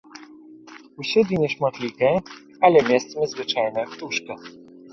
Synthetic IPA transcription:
uɕɛd̪lʲiɲɛʂmɔt̪lʲikɛ | alɛmʲjast̪mɘzvɘt͡ʂajnɛpt̪uʂka

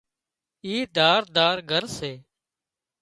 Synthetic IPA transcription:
iːd̪aːɾd̪aːɾɡʱəɾseː

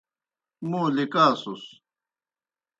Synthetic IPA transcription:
muːlikaːsus

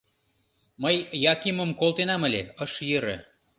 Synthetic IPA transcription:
məjːɑkimə̆mkolˠt̪enɑməlʲḛəʃjəɾḛ̆

